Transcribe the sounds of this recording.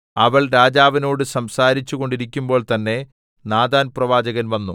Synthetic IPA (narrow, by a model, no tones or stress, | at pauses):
ɐʋɐɭɾaːd͡ʑaːʋɐno̞ːɽɨsɐmsaːɾit͡ɕːuɣo̞ɳɖiɾikʲːumbo̞ːɭt̪ɐnːe̞ | naːd̪aːnprɐʋaːd͡ʑɐɣɐnʋɐnːṵ